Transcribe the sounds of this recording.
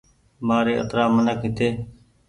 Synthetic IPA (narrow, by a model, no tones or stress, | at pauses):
maːɾeːʔə̰t̪ɾaːmənəkɦɪt̪eː